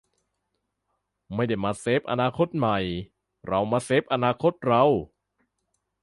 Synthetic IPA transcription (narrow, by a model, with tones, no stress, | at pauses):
ma˥˩jda˥˩jmaː˧seː˦˥p̚ʔa̰˧naː˧kʰo˦˥t̪̚ma˨˩j | ɾa˧wmaː˧se˦˥p̚ʔa˧naː˧kʰo˦˥t̪̚ɾa˧w